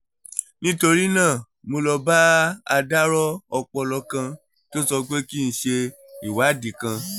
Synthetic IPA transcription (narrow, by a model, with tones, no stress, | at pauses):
nĩ˦to˧ɾi˦nãː˦˨ | mõ˧lɔ˧ba˦a˧da˦ɾɔ˦ɔ˧k͡pɔ˧lɔ˧kã˧ | to˦sɔ˧ɡ͡be˦ki˦ñ̩˨ʃe˧ | i˨wa˨˦di˨kã˧